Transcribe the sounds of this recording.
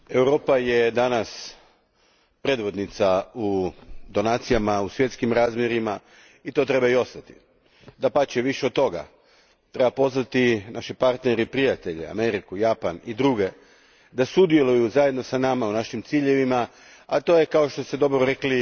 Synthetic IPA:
e̞wɾo̞ːpajed̪anas | pɾe̞d̪ʋo̞d̪nit̪saud̪o̞naːt̪sijamausʋje̞t̪skimɾaːzmje̞ɾima | it̪o̞t̪ɾe̞baio̞st̪at̪i̥ | d̪apat͡ʃeʋiʃet̪t̪ːo̞ɡa̰ | t̪ɾe̞bapo̞znat̪inaʃipaɾt̪neɾepɾijat̪e̞ʎḛa̰me̞ɾikujapanid̪ɾuɡe̞ | d̪asud̪je̞lujuzaje̞d̪no̞sanamaunaʃimt̪siːʎe̞ʋima | at̪o̞ːje̞kao̞ʃt̪o̞st̪ed̪o̞bɾoɾekli

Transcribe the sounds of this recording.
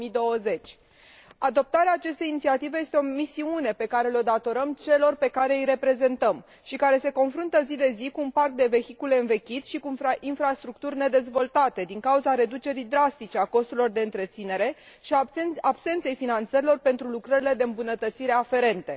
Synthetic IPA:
id̪oəze̞t͡ʃʲ | ad̪o̞p̚t̪aɾeaːt͡ʃe̞st̪e̞jinit̪siat̪ive̞je̞st̪eo̞misiune̞pe̞kaɾe̞lo̞d̪at̪o̞ɾəmt͡ʃe̞lo̞rpe̞kaɾe̞ijɾe̞pɾe̞ze̞nt̪əm | ʃikaɾe̞se̞ko̞nfɾunt̪əzid̪e̞zikuːnpark̚d̪e̞ve̞çikule̞ɨnve̞kʲit̪ʃikunfainfɾast̪ɾukt̪urʲne̞d̪e̞zvo̞lt̪at̪e̞d̪iŋkauzaɾe̞d̪ut͡ʃe̞ɾijd̪ɾast̪it͡ʃe̞ako̞st̪uɾlilo̞rd̪e̞ɨnt̪ɾe̞t̪sine̞ɾe̞ | ʃabse̞nt̪se̞jfinant̪səɾilo̞rpe̞nt̪ɾulukɾəɾile̞d̪eɨmbunət̪ət̪siɾe̞afe̞ɾe̞nt̪e̞

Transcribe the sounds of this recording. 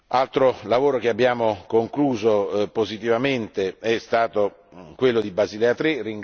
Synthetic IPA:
alt̪ɾolavoːɾok̟eabːjaːmokoŋkluːzopozit̪ivament̪eɛst̪aːt̪o | kwelːod̪ibazilɛat̪ɾerːiŋ

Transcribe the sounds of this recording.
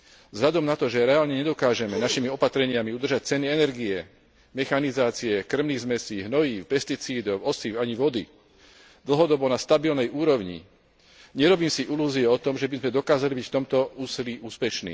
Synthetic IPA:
zɦlʎad̪ɔmnat̪ɔʒɛɾɛaːlɲɛɲɛd̪ɔkaːʒɛmɛnaʃimiɔpat̪ɾɛɲɪamiud̪r̩ʒac̚t͡sɛniɛnɛɾɡiɛ | mɛxanizaːt͡siɛkr̩mniːɣzmɛsiːɦnɔjiːpɛst̪it͡siːd̪ɔwɔsiːwaɲiʋɔd̪i | d̪l̩ɦɔd̪ɔbɔnast̪abilnɛjuːɾɔʊɲḭ | ɲɛɾɔbiːmsiʔiluːziɛɔt̪ɔmʒɛbizmɛd̪ɔkaːzalibicft̪ɔmt̪ɔuːsiliʔuːspɛʃnḭː

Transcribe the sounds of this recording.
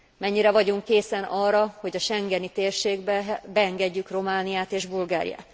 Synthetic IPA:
mɛɲːiɾɛvɒɟuŋkːeːsɛnɒːrːɒhoɟɒʃɛŋɡɛnit̪eːrʃeːɡbɛbɛɛŋɡɛɟːykro̞maːnijaːt̪eːʒbulɡaːɾḭja̰ːt̪

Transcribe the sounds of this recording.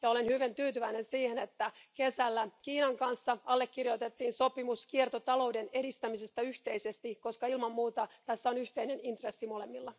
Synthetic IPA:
jɑolenhyʋint̪yːt̪yʋæinensiːhenet̪ːækesælːækiːnɑŋkɑnsːɑɑlːekːirjot̪et̪ːiːnso̞pimuskiert̪ot̪ɑlo̞udenedist̪æmisest̪ɑyht̪eisest̪iko̞skɑilmɑmːmuːt̪ɑt̪æsːæonyht̪einenint̪resːimolemːilːɑ

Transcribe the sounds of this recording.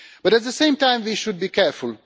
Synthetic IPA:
b̥ʌɾæt̚ðəsẽɪ̃mtãɪ̃mʋiʃʊd̚biːkɛɾfʊl

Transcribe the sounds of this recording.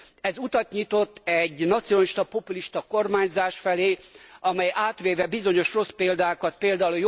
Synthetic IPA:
ɛzut̪ɒt̪ɲit̪o̞t̪ːɛɟnɒt̪sionliʃt̪ɒpo̞puliʃt̪ɒko̞rmaːɲzaːʃfɛleːɒmɛjʔaːt̪ʋeːvɛbizo̞ɲo̞ʃro̞speːld̪aːkɒt̪̚peːld̪aːulojo

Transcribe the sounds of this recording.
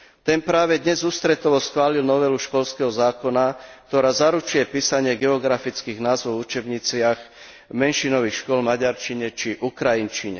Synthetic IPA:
t̪ɛnpɾaːʋɛd̪ɲɛzuːst̪ɾɛt̪ɔʋɔsxʋaːlilnɔʋɛluʃkɔlskɛɦɔzaːkɔnak̚t̪ɔɾaːzaɾut͡ʃujɛpiːsaɲɪɛɡɛɔɡɾafit͡skiːɣnaːzʋɔʊut͡ʃɛbɲit͡sɪax | mɛnʃinɔʋixʃkʊɔlmaɟaɾt͡ʃiɲɛt͡ʃiʔukɾajint͡ʃiɲɛ̰

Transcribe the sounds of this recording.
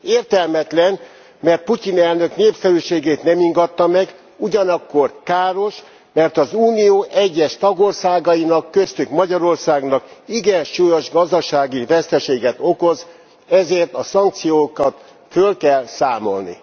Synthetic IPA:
eːrt̪ɛlmɛt̪lɛn | mɛrt̪̚pucinɛlnø̞kneːpsɛlyʃeːɡeːt̪nɛmiŋɡɒt̪ːɒmɛɡ | uɟɒnɒkːo̞rkaːɾo̞ʃ | mɛrt̪ɒzuːnijoːʔɛɟːɛʃt̪ɒɡorsaːɡɒjinɒkːø̞st̪ykmɒɟɒɾo̞rsaːɡnɒkiɡɛnʃujoʒɡɒzd̪ɒʃaːɡivɛst̪ɛʃeːɡɛt̪o̞ko̞z | ɛzeːrt̪ɒsɒŋk̚t̪sijoːkɒt̪ | følkɛlsaːmo̞̰lnḭ

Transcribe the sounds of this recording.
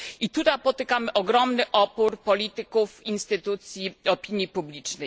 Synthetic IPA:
ʔit̪ut̪ajpɔt̪ɘkamɘʔɔɡɾɔmnɘʔɔpuɾpɔlʲit̪ɘkufinst̪ɘt̪ut̪sʲjiɔpʲiɲjipublʲit͡ʂnɛj

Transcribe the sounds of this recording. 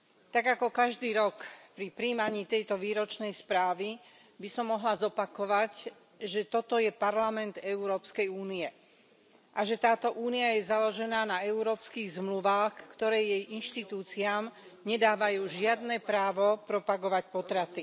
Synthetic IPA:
t̪aɡakɔkaʒd̪iːɾɔkpɾipɾiːmaɲiːt̪ɛjt̪ɔʋiːɾɔt͡ʃnɛjspɾaːʋi | bisɔmːɔɦlazɔpakɔʋac | ʒɛt̪ɔt̪ɔjɛpaɾlamɛnd̪ɛuɾɔːpskɛjuːniɛ | ʔaʒɛt̪aːt̪ɔʔuːniajɛzalɔʒɛnaːnaɛuɾɔːpskiːɣzmluʋaːxkt̪ɔɾɛːjjɛjinʃt̪it̪uːt͡siaːm | ɲɛd̪aːʋajuːʒɪad̪nɛpɾaːʋɔpɾɔpaɡɔʋac̚pɔt̪ɾat̪i

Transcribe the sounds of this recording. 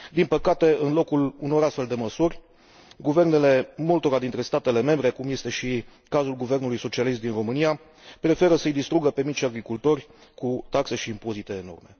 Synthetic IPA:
d̪inpəkat̪e̞ɨnlo̞kuluno̞ɾast̪fe̞ld̪e̞məsurʲ | ɡuve̞rne̞le̞mult̪o̞ɾad̪int̪ɾe̞st̪at̪e̞le̞me̞mbɾe̞kumjest̪e̞ʃi | kazulɡuve̞rnulujso̞t͡ʃialist̪̚d̪inro̞mɨnija | pɾe̞fe̞ɾəsəjd̪ist̪ɾuɡəpe̞mit͡ʃʲaɡɾikult̪o̞rʲkut̪akse̞ʃiːmpo̞zit̪e̞ːno̞̰rme̞̰

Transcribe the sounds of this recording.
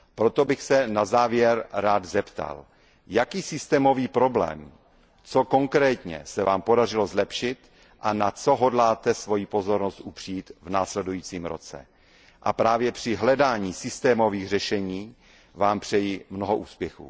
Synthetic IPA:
pɾo̞t̪o̞bɪxsɛnazaːvjɛɾɾaːd̪zɛpt̪a̰l | jakiːsɪst̪ɛːmo̞viːpɾo̞blɛ̰ːm | t͡so̞ko̞ŋkɾɛːt̪ɲɛ̰sɛvaːmpo̞dar̝ɪlo̞zlɛpʃɪt̪ | ʔanat͡so̞ɦo̞dlaːt̪ɛsvo̞jipo̞zo̞ɾnost̪ʔupr̝̥iːt̪vnaːslɛdujiːt͡siːmɾo̞̰t͡sɛ̰ | ʔa̰pɾaːvjɛpr̝̥ɪɦlɛdaːɲiːsɪst̪ɛːmo̞viːɣr̝ɛʃɛɲiː | vaːmpr̥ɛjimno̞ɦoʔuːspjɛxṵː

